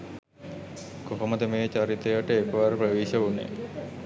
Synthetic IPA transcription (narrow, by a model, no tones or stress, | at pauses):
koɦoməd̪əmeːʋt͡ʃaɾit̪eʋəʈəekəʋaɾuprəʋeːʃəunḛ